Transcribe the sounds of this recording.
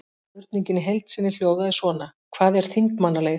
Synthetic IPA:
ʏɾt̪niɲcɪnːɪɦejlt̪sɪnːɪl̥joːwðaðɪsvɔːnakʰvaːðɛɾ̥θiŋkmanalej

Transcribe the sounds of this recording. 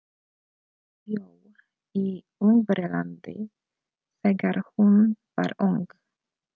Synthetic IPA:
jow | iː | ʊŋvɾəland̪ɪ̰ | sɛɡəɾhʊnva̰ːɾʊŋɡ

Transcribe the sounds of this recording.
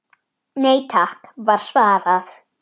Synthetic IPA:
nejtʰakvarsvaðaθ

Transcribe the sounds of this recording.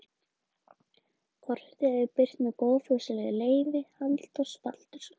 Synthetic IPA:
kʰɔr̥t̪ɪɛœpɪr̥t̪nɛkoːwfʏsɪlɛɣðɪleːjvɪhalt̪ɔspa̰l̥t̪ʏɾ̥

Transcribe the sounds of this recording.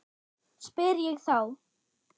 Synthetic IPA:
spɪɾjɛɣθaw

